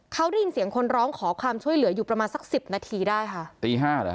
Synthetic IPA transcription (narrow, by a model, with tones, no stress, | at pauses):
kʰa˦˥wɾji˧nsi˩˦əŋkʰo˧nɾɔː˦˥ŋkʰɔː˩˦kʰwaː˧mt͡ɕʰu˥˩əjlɯ˩˦ɐjuː˨˩pɾa˧maː˧nsa˨˦˩k̚si˨˩p̚naː˧t̪ʰiː˧daː˥˩jkʰa˥˩t̪iː˧ɦaː˥˩˦